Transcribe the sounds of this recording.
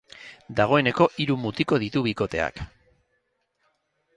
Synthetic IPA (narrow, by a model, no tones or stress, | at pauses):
d̪aɣ̞o̞e̞ne̞ko̞ʔiɾumut̪iko̞ð̞it̪uβiko̞t̪e̞̰a̰k